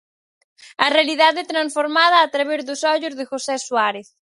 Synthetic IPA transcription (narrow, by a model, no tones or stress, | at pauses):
ɐrealiðaðet̪ɾansfoɾmað̞aːt̪ɾaβeɾðʊsɔʎʊzðeʝosɛswaɾeθ